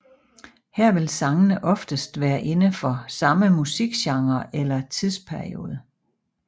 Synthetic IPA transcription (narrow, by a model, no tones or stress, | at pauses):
hæɐ̰ʋe̝lsɑ̈ŋənəʔɒ̽fd̥əsd̥ʋæːɐʔe̝nəfɒ̽sɑ̈məmusiɡ̥ɕɑ̈ŋɐʔelɐt͡sʰiðˠspʰæɐḭo̝̰ːð̞ˠə